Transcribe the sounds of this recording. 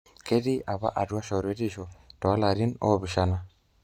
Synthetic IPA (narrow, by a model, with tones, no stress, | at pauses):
ke˦di˦a˨βa̰˦ʔa˨dwa˦ʃɔ˨ɾe˦di˦˨ʃɔ˨tɔ˨a˦la˨ɾi˦nɔ̰˦˨βi˨ʃa˦na˦